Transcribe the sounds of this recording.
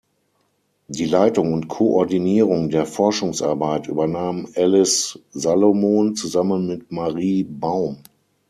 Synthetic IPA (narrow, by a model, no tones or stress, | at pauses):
diːlaɪtʊŋʊntkʰoʔɔɐdiniːʁ̞ʊŋdeːɐfɔɐʃʊŋsʔa̰ɐbaɪtʔy̰ːbɐnaːmʔɛlɪszalomoːnt͡suzamənmɪt̚maʁiːbaʊm